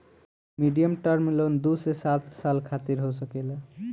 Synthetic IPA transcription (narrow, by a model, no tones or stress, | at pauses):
miɖijəmʈʌɾmilond̪usesat̪salkʰat̪iɾɦosʌkela